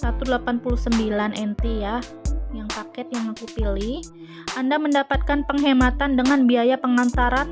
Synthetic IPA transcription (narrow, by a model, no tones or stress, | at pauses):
sat̪udəlapanpuluhsəmbilanʔɛnt̪ija | jaŋpakɛt̪̚jaŋakupilih | ʔandaməndapat̪̚kanpəŋɦemat̪andəŋanbiajapəŋant̪aɾan